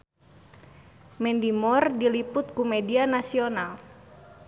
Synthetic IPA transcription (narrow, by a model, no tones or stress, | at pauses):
mɛndimɔrdilipʊt̪̚kumɛdianasional